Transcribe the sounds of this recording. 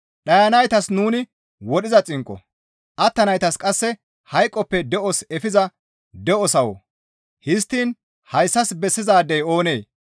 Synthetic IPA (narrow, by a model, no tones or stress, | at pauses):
ɗɐjɐnɐjt̪ɐsnuːnɪ | wɔɗɪzɐt͡sʼɪŋkʼːɔ̰ | ʔɐt̪ːɐnɐjt̪ɐskʼɐsːɛ | hɐjkʼːɔpːɛd̪ɛʔɔsɛfɪzɐ | d̪ɛɔsɐwɔ̰ | hɪst̪ːiːn | hɐjsːɐsbɛsːɪzaːd̪ɛjo̞ːne̞ː